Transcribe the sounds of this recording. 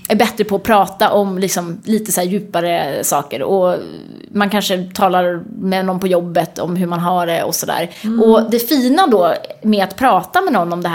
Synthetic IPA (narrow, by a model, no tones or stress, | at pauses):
æɾbɛt̪ɾəpʰɔːpʰɾɑːt̪aʔɔmlɪksɔmliːt̪əsæːɾjʉ̟ːpaɾəsɑːkə̰ɾɔ | mankʰanʂət̪ʰɑːlaɾmɛnɔmpɔjɔbːət̪ɔ̰mɦɵɾmanɦaɖɛɔ̰sɔd̪æ̰ːɾʔɔd̪ɛfiːnad̪ɔmɛat̪pʰɾɑːt̪amɛnɔnːɔmd̪ɛɦ